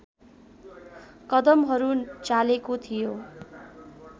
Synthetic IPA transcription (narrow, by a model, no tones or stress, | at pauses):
kʌd̪ʌmɦʌɾut͡salekot̪ʰijo